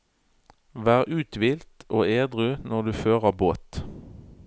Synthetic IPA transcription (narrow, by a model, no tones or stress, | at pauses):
ʋæːʁʔʉːt̪ʋiːlt̪oːeːd̪ʁʉnɔʁd̪ʉːføːʁəʁboːt̪